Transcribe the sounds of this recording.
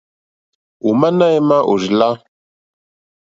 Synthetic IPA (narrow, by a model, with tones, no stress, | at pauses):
u˨ma˦na˦jma˦ʔo˨ʒi˨la˦